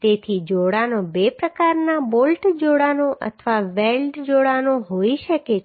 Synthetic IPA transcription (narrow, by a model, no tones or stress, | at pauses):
t̪et̪ʰid͡ʒoɽanobepɾəkaɾnabolʈd͡ʒoɽanoʔə̰t̪ʰəʋaʋelɖd͡ʒoɽanoɦoiʃəke